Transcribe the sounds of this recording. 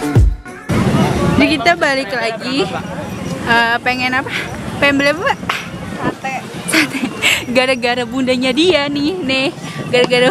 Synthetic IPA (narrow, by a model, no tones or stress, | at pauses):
dikit̪abalɪklaɡi | əpeŋɛnapapeɛnbelɛbabaʔ | sat̪ɛɡaɾaɡaɾabundaɲadianɪhnɪh | ɡaɾaɡaɾa